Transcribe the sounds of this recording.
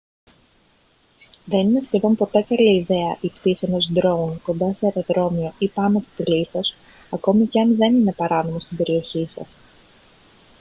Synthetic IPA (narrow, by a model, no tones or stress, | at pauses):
ðe̞nine̞sçe̞ðo̞mpo̞t̪e̞kɐliːðe̞ɐʔipt̪isenosd̪ɾo̞unko̞nd̪ɐseɐt̪ɐðɾo̞mio̞ʔipɐnot̪it̪iliθo̞s | ɐko̞miceɐnðe̞nine̞pɐɾɐno̞mo̞st̪imbe̞ɾio̞çisɐ̰s